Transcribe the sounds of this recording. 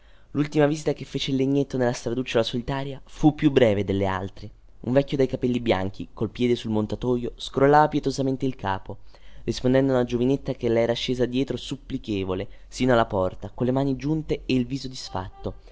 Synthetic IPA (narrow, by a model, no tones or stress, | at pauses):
lult̪imaviːzit̪akefːeːt͡ʃeilːeɲːet̪ːonelːast̪ɾad̪ut͡ʃːalasolit̪aːɾjafupːjubːɾɛːved̪elːea̰lt̪ɾe | ṵɱvɛkːjod̪ajkapɛlːibja̰ŋk̟ʰikolpjɛːd̪esulmont̪at̪ɔːjoskɾolːaːvapjet̪ozament̪eilkʰa̰ːporispond̪ɛnd̪ounad͡ʒovinet̪ːakelaɛːɾaʃːeːzad̪jɛːt̪ɾosupːlikeːvole | siːnoalːapɔrt̪akonlemaːnid͡ʒunt̪eːilviːzod̪isfa̰t̪ːo